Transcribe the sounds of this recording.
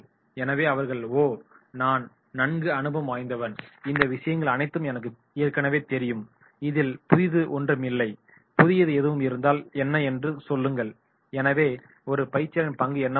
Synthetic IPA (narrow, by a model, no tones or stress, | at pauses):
ɛnɐʋeːɐʋɐɾɣɐɭoːnaːn | nɐɳɡɯɐnɯbɐmaːjnd̪ɐʋɐnɪnd̪ɐʋɪʂɐjɐŋɡɐɭɐnɐɪt̪ːɯmɛnɐk̬ːɯ | eːɾkːɐnɐʋeːt̪ɛɾɪjɯm | ɪðɪlpʊðɪðɯʔɔndrɐmɪlːɐɪ | pʊðɪjɐðɯɛðɯʋɯmɪɾɯnd̪aːlɛnːɐɛndrɯsɔlːɯŋɡɐɭ | ɛnɐʋeː | ɔɾɯpɐɪt͡ʃːɐlɐnpɐŋɡɯɛnːɐ